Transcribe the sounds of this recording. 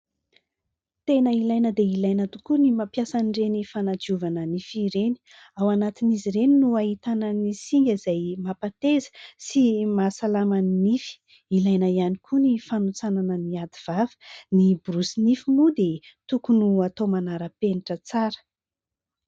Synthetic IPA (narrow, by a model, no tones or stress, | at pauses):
t̪enəilajnəd̪eilajnət̪ukunimapjasanɖ͡ʐenifanad͡ʒiuvanənifiɾeni | awanat̪iniziɾeninuaɦit̪anənisiŋɡʲəizajmapat̪ezə̥simasalamannifi̥ | ilajnəianikʰunifanut͡sananəniad̪iv̥avə̥nibrusinifimud̪et̪ukunuat̪omanaɾəpeniʈ͡ʂət͡saɾə̥